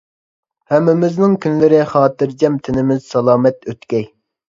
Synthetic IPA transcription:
hɛmːɪmɪznɪŋkʲʰynlɪɾɪχɑːt̪ɨɾd͡ʒɛmt̪ʰɪnɪmɪz̥sɑlˠɑːmɛt̪øt̪kʲɛj

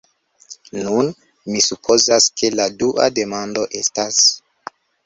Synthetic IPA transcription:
nun | misupʰo̞zaskʰe̞laduʔa̰de̞mando̞ʔe̞stas

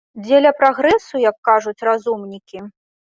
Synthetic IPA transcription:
d͡zʲelʲɐpɾaɣɾɛsujɐkːaʐut͡sʲrazumnʲikʲi

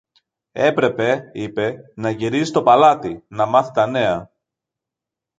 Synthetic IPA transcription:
e̞pɾe̞pe̞ipe̞nɐʝiɾizit̪o̞pɐlɐt̪inɐmɐθit̪ɐne̞ɐ

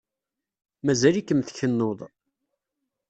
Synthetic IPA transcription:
mæzælikːəmθçənːoðˤ

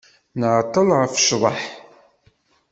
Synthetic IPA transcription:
nʕt̪ˤːəlʁəfʃðˤɑħ

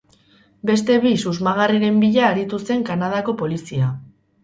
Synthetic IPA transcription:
be̞st̪e̞βisuzmaɣ̞ariɾe̞mbiʎaːɾit̪use̞ŋkanað̞ako̞po̞lisia

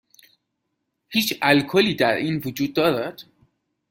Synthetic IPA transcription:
hiːt͡ʃælkʰoliːd̪æɾiːnvud͡ʒuːd̪̚ːɒːɾæt̪

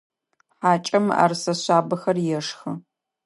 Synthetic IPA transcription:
ħaːt͡ʃʼɐma̰ːrsɐɕʷaːbɐxɐrjɛʂxɨ

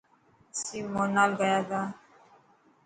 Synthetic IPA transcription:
simɔnalɡajada

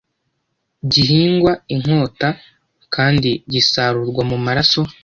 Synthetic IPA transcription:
ɟiɦiːŋɡwaiŋ̥o̞ːta | kʰaːndiɟisaɾuɾɡwamumaɾaso̞

